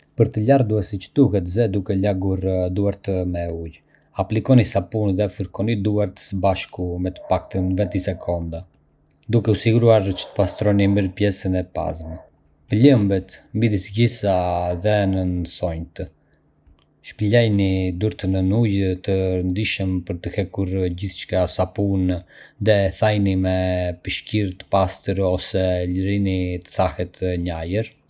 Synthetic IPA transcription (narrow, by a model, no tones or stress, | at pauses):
pəɾt̪əʎard̪uasit͡ʃd̪̥uɦɛt̪zɛd̪ukɛlaɡuɾd̪uaɾt̪əmɛuj | aplikɔnisapunðɛfəɾkɔnid̪uaɾt̪ə̥səbaʃkumɛt̪ə̥pakt̪ənvɛt̪isɛkʰɔnd̪a | d̪ukɛusiɡuɾuaɾt͡ʃə̥t̪ə̥past̪ɾɔniməɾpjɛsənɛpa̰zmɛ | pələmbɛt̪mbid̪isɡisaðɛnənsɔɲt̪ə | ʃpilɛjnid̪uɾt̪ənənujt̪əɾənd̪iʃəmpəɾt̪əhɛkuɾɟiθt͡ʃkasapunðɛθajnimɛpəʃciɾt̪ə̥past̪əɾɔsɛləɾinit̪ə̥θahɛt̪ɲajəɾ